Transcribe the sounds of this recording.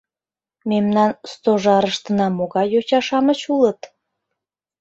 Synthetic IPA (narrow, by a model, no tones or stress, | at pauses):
memnɑnst̪oʒɑɾəʃt̪ənɑmoɣɑjot͡ɕɑʃɑmət͡ɕulət̪